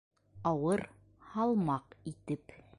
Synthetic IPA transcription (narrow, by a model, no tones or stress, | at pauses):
ɑwɤɾ | hɑlˠmɑqit̪ɘp